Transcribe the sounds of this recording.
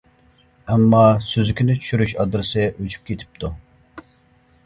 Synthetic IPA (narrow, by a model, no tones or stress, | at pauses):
ɛmːɑsøzykʲinɪt͡ʃʰy̥ʃyɾyʃɑd̪ɨɾɨsɨʔut͡ʃʰy̥p̚kʲʰet̪ʰɪ̥p̚t̪ʰu